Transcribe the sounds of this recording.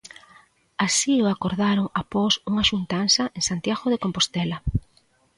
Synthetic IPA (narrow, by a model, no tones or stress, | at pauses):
asioakoɾðaɾoŋapɔsuŋaʃunt̪ansaʔeŋsant̪jaɣoðekompost̪ɛlɐ